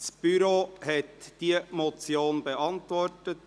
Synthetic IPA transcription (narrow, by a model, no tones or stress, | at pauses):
sb̥yɾoːhɛt̪d̥iːəmɔt͡sjoːnbəɑnt̪ʋɔɾtət